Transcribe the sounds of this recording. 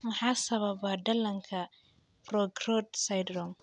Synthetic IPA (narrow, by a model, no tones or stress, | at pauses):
mɐħaːsɐβɐbaɖ̪ɐlɐŋkʰɐ | bɾɔɡɾɔd̪sajd̪ɾɔm